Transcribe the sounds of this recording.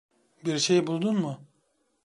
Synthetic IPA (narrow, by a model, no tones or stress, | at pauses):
biɾʃejbulˠd̪unmʊ